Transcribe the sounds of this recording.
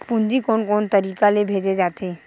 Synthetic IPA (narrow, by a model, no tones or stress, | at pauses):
pʊ̃nd͡ʒikɔːnkɔːnt̪əɾiːkalebʱeːd͡ʒed͡ʒaːt̪ʰe